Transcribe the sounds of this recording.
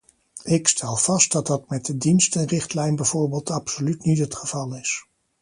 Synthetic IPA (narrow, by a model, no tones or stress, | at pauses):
ɪkstʰɛlˠv̥ɑst̚dɑd̚dɑtmɛt̚dədinstənrɪχtlɛjnbɛjv̥oːɹbeːlˠtɑpsolytnitɦətχəv̥ɑlˠɪs